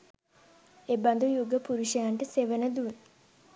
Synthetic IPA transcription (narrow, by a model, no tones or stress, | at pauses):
ebɐnd̪ujuɡəpuɾuʃɐjaɳʈəseʋənəd̪un